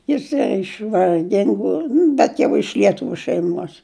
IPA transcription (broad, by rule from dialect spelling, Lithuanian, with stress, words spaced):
jɪˈsɐɪ ɪʃ ʋɐrʲˈɡʲɪŋɡʊ nʊ bʲɛt ˈjɛʊ ɪʃ lʲiɛˈtʊʋʲʊ ʃʲɛɪˈmuɔs